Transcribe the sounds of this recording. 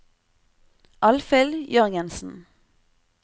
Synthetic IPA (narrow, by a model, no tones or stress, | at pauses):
ʔɑlfɪljœʁɡənsn̩